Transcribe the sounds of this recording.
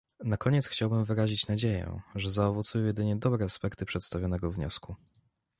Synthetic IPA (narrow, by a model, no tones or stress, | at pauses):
nakɔɲɛt̪sxt͡ɕawbɘmvɘɾaʑit͡ɕnad͡ʑejɛ̰̃ʐɛzaɔvɔt̪sujɔjɛd̪ɘɲɛd̪ɔbɾɛaspɛkt̪ɘpʂɛt̪st̪avʲjɔnɛɡɔvɲɔ̰sku